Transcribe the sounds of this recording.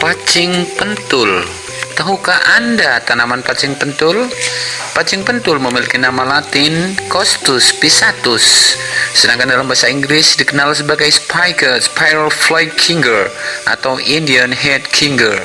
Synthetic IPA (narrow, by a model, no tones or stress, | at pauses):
pat͡ʃɪŋpənt̪ʊl | t̪aɦukaʔandat̪anamanpat͡ʃɪŋpənt̪ʊlpat͡ʃɪŋpənt̪ʊlməmilikinamalat̪ɪnkɔst̪ʊspisat̪ʊsː | ədaŋkandalambaasaiŋɡlɪsdikənalsəbaɡajspʰajkəspajəlflajkʰiŋɡərʔa̰t̪awindiənɦɛd̚kʰiŋɡər